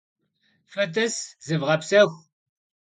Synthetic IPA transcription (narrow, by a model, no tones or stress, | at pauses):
fɐt̪ɐszɨvʁɐpsɐxʷ